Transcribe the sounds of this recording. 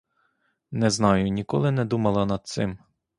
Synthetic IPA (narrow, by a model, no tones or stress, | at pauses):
nɛznɑjʊnʲikɔ̰lˠɪnɛd̪umɐlˠɐnɐd̪̚t̪sɪm